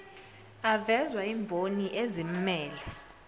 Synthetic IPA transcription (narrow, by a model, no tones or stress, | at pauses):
avɛzwaiːmbʱoniʔezim̩mɛːlɛ